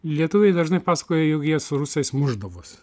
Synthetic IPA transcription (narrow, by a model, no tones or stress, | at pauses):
lʲiɛt̪ʊʋʲɛɪd̪ɐʒnɐɪpɑːsɐ̥koːjɛjokjiɛsʊɾʊsʲɛɪsmʊʒd̪ɐʋoːs